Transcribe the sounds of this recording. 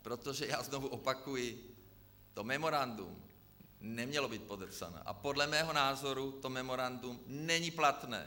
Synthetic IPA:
pɾɔt̪ɔʒɛjaːznɔvuʔɔpakujɪ | t̪ɔmɛmɔɾand̪ṵm | nɛmɲɛlɔbiːt̪̚pɔd̪r̩sa̰nɛ̰ːʔa̰pɔd̪lamɛːɦɔnaːzɔɾut̪ɔmɛmɔɾand̪umnɛɲiplat̪nɛ̰ː

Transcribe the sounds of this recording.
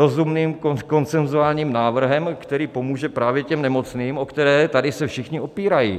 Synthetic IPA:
o̞zumniːmkoko̞nt͡sɛnzuaːlɲiːmnaːvr̩ɦɛmkt̪ɛɾiːpo̞muːʒɛpɾaːvjɛcɛmnɛmo̞t͡sniːmʔo̞kt̪ɛɾɛːt̪adɪsɛfʃɪxɲɪʔo̞piːɾajḭː

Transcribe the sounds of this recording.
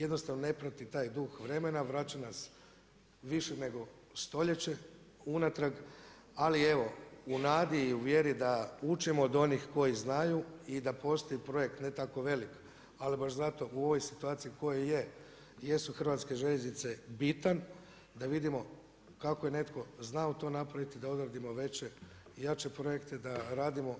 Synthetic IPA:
jed̪no̞st̪aʋnone̞pɾat̪it̪aːjd̪uxʋɾe̞me̞naʋɾat͡ɕanas | ʋiʃene̞ɡo̞ | st̪o̞ʎe̞t͡ɕe̞unat̪ɾaɡ | alie̞ʋo̞unaːd̪iːuʋje̞ɾid̪aut͡ʃimoːd̪o̞nixko̞jiznajuid̪apo̞st̪o̞ipɾo̞jekt̪net̪ako̞ʋe̞lik | alibaʃzat̪o̞ʔuo̞ʋo̞jsi̥t̪uaːt̪siiko̞jeje | je̞suxr̩ʋaːt̪ske̞ʒe̞ʎeznit̪se̞bit̪an | d̪aʋid̪imo̞ | kakoje̞ne̞t̪ko̞znaut̪o̞napɾaʋit̪id̪ao̞d̪ɾad̪imo̞ʋe̞t͡ɕe̞ | jat͡ʃe̞pɾo̞je̞kt̪e̞d̪aɾaːd̪imo̞

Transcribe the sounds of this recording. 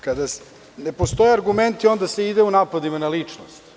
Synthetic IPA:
kad̪as | nepost̪o̞jeaɾɡument̪io̞nd̪aseid̪eunaːpad̪imanalit͡ʂnostt̪

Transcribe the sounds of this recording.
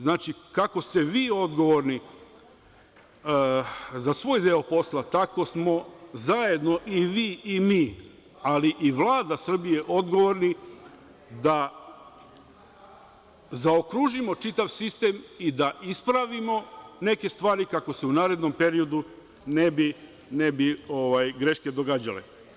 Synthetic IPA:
znaːt͡ʃikako̞st̪e̞ʋiːo̞d̪ɡo̞ʋo̞ɾni | zasʋo̞ːjd̪eopo̞slˠat̪ako̞smo̞zaje̞d̪no̞ʔiʋiːimiː | aliʔiʋlˠaːd̪asr̩bije̞ʔo̞d̪ɡo̞ʋo̞ɾni | d̪a | zaokɾuːʒimo̞t͡ʂit̪aʋsist̪e̞ːmid̪aʔispɾaʋimo̞ne̞ke̞st̪ʋaːɾikako̞se̞unaːɾe̞d̪no̞mpe̞ɾio̞d̪u | nebi | nebio̞ʋajɡɾeʃke̞d̪o̞ɡaːd͡ʑalḛ

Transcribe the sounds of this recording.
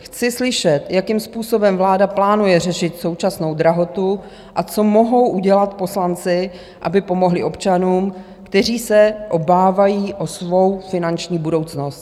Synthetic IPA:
xt͡sɪslɪʃɛt̪jakimspuːso̞bɛmvlaːdaplaːnujɛrɛʃɪt̪so̞wt͡ʃasno̞wd̪ɾaɦo̞t̪u | ʔat͡so̞mo̞ɦo̞wʔuɟɛlat̪po̞slant͡sɪ | ʔa̰bɪpo̞mo̞ɦlɪʔo̞pt͡ʃanuːm | kt̪ɛr̝iːsɛʔo̞baːvajiːʔo̞svo̞wfɪnant͡ʃɲiːbudo̞wt͡sno̞st̪

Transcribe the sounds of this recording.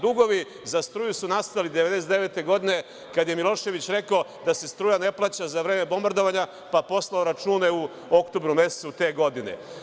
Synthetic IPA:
d̪uɡo̞ʋi | zast̪ɾuːjusunast̪alid̪eʋe̞d̪esed̪eʋe̞ːt̪e̞ɡo̞d̪ine̞ | kad̪aje̞milˠo̞ʃe̞ʋit͡ɕɾe̞kaod̪ase̞st̪ɾuːjane̞plˠaːt͡ɕazaʋɾe̞ːme̞bo̞mbaɾd̪o̞ʋaɲa | papo̞slˠaoɾat͡ʃuːneu | o̞kt̪o̞bɾume̞se̥sut̪e̞ːɡo̞d̪inḛ

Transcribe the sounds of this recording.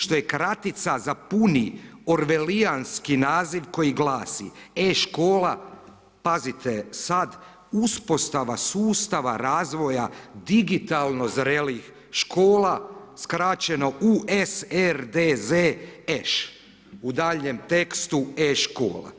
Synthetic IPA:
ʃt̪o̞jekɾat̪it̪sazapunioɾʋe̞lianskinaːziʋko̞jiɡlaːsḭeʃko̞ːla | pazit̪ʰesad̪ | uspo̞st̪aʋasuːst̪aʋa̰ɾaːzʋo̞jad̪iɡit̪alˠno̞zɾelix | ʃkʰo̞ːlˠaskɾat͡ɕeno̞ʔuesɛɾd̪ezeeʃ | ud̪aːʎɲemt̪e̞kst̪ueʃko̰ːla̰

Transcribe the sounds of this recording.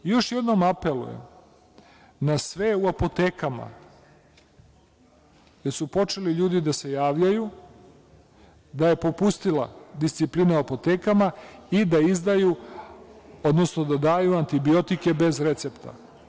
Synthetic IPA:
jo̞ʃje̞d̪no̞mape̞lṵjḛm | nasʋe̞uapo̞t̪eːkama̰ | je̞ɾsupo̞t͡ʃe̞liʎuːd̪id̪ase̞jaːʋʎaju | d̪aje̞po̞pust̪ilˠa̰d̪ist̪sipliːnauapo̞t̪e̞ːkamaid̪aizd̪aju | o̞d̪no̞sno̞d̪ad̪aːjuant̪ibio̞t̪ike̞be̞zɾe̞t̪se̞pt̪a̰

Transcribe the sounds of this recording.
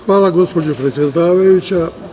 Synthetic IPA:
xʋaːlˠaɡo̞spod͡ʑopɾet̪sʲjed̪aːʋajut͡ɕa

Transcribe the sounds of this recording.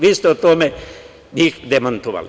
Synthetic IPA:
ʋist̪ot̪ome | nikd̪emɐnt̪uʋa̰l

